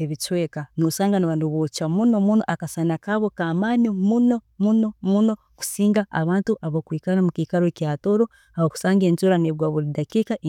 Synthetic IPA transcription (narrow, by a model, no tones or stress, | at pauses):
eβit͡ʃwekanoːsaːŋɡanaβanduβot͡ʃamuno̞muno̞ʔakasanakaβokaːmanimuno̞ | muno̞muno̞ | ku̥siːŋɡaʔːβaːntuʔaβokwiːkanamukiːkaɾocjaːtoɾo | aβoku̥saːŋɡeːntuɾaneβwaːβuɾidakikaʔ